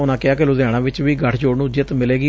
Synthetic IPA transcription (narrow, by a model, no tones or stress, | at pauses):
ʊnãːkɪaːkɪluːd̪ãːɽ̃ãːʋɪt͡ʃʋiːɡəʈʰd͡ʒoːɽnũːd͡ʒɪt̪mɪleːɡiː